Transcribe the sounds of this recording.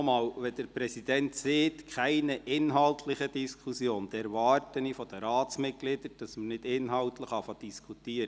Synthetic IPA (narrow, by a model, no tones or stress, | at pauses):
mɑːwʋɛd̥əɾpɾɛsid̥ɛntseːtkʰχæɪnəʔɪnɦɑltʰlɪχəd̥iskʰusjoːnd̥ɛɾvɑɾtənifɔd̥əɾɑːtsmɪt̚ɡ̥lɪd̥əɾd̥ɑsmənɪdɪnɦɑltləχɑfɑd̥iskʰutiːəɾə